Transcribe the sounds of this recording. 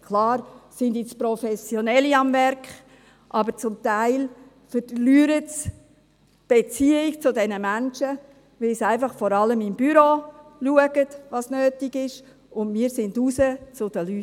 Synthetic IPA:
kʰlɑːɾsɪndɪt͡spɾɔfɛsjonɛliɑmvɛɾkχ | ʔɑbəɾt͡sʊmtaɪl | fəɾlyːɾəts | b̥et͡siikt͡sʊdɛnəmænʃə | ʋɪlsæɪfɑχfɔɾɑləmɪmbyɾoːluəɡətʋɑsnøːtiɡɪʃ | ʊndmiːəɾsɪndusət͡sʊd̥əly

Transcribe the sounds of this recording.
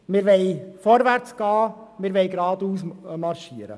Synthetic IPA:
mɪːɾʋɛjfɔɾʋæɾt͡sɡ̥ɑːmɪːɾʋɛɪɡɾɑːd̪uːs̬mɑrʃiəɾə̰

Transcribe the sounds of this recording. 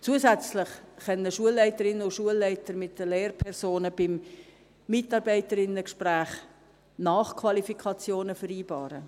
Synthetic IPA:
t͡suəsɛt͡slɪχːœnːəʃuəlːɛɪtəɾɪnəʊʃuəlːɛɪtəɾmɪtdəleːrpʰɛɾsoːnəb̥ɪmː | ɪtɑɾbɛɪtəɾɪnːəkʃpræːχ | nɑːχkʰvɑlifikʰɑt͡sjoːnəfəɾiːbɑːɾə̰

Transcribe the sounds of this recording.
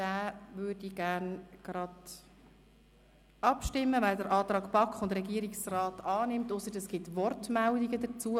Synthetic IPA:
d̥æːvʏːɾdiɡ̥æːɾnɡ̥ɾɑd | ɑpʃtɪmːəvɛldəɾʔɑːt̪rɑːɡpɑkχʊndɾɛɡiəɾiksrɑːtɑːnɪmtʊsəɾdɛsɡ̥ɪt̪ʋɔrtmældiɡədət͡suə

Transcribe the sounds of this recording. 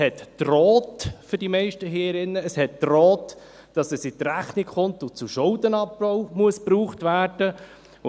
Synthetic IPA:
hɛtːrɔːtfʏɾdimɛɪʃtəɦeːɾɪnːəːshɛtːrɔːt | d̥ɑsɛsit̪ɾæχnikχʊntʊt͡suʃʊld̪ənɑpːɔʊmuəspɾuːχtvæːrd̥ə | ʊ

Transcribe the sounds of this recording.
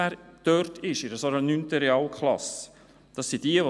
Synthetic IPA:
æːɾd̥œɾtʰɪʃɪɾəsoɾənyntəɾɛɑːlkχlɑ̰s | d̪̥ɑsːid̥iəʋo

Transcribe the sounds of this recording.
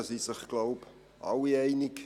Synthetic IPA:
sisɪχɡ̥loʊp | ʔɑ̰wiɛɪnɪk

